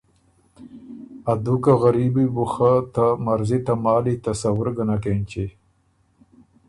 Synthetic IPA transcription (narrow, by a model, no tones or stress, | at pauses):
ad̪ukaɣaɾibibuxat̪amaɾzit̪amɑːlit̪ɐsawʊɾɡanakent͡ʃe